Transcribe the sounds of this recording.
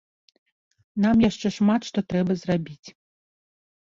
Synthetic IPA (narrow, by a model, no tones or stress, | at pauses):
namjaʂt͡ʂɛʂmat̪ʂt̪ɔt̪ɾɛbɐzrabʲit͡sʲ